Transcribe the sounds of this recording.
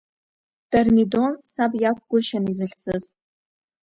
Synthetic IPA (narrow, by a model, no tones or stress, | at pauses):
d̥armido̞nsabjak̚ʷʰʼɡʷʊʃanizɨɬt͡sʰɨz